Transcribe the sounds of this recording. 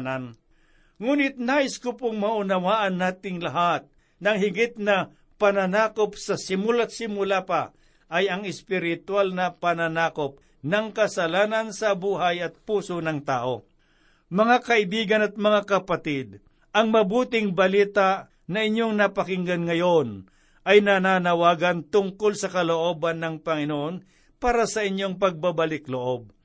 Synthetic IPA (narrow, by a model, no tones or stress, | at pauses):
nan | ŋuːnɪt̪̚naːʔɪskʊpoŋmɐʔʊnɐwaːʔɐnːaːt̪ɪŋlɐɦat̪̚ | nɐŋɦɪɡɪt̪̚nɐ | pɐnanaːkopsɐsɪmʊlat̪̚sɪmʊlapa | ʔɐjɐŋɪspɪɾɪt̪walnɐpɐnanaːkop̚ | nɐŋkɐsɐlaːnɐnsɐbuːɦajɐt̪̚puːsonɐŋt̪aːʔo | mɐŋakɐɪbiːɡɐnɐt̪̚mɐŋakɐpɐt̪ɪd̪̚ | ʔɐŋmɐbuːt̪ɪŋbɐliːt̪aʔ | nɐʔɪɲːoŋnɐpɐkɪŋɡɐnŋɐjon | ʔɐjnananɐwaːɡɐnt̪ʊŋkolsɐkɐloʔo̞ːbanːɐŋpɐŋɪnoʔon | paːɾɐsɐɪɲjo̞ŋp̬ɐɡ̚babɐlɪkloʔo̞b̚